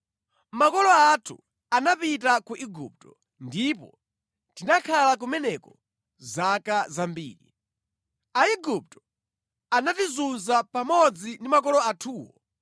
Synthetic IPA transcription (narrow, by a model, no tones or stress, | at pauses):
makɔlɔatʰṵ | anapit̬akuʔiɡṵp̚tɔ | ndipɔ̰ | tinakʰalak̬umɛnɛkɔ | zakazambḭːɾḭ | aiɡup̚tɔ̥ | anatizunzapamɔd͡zindimakɔlɔatʰuːwɔ̰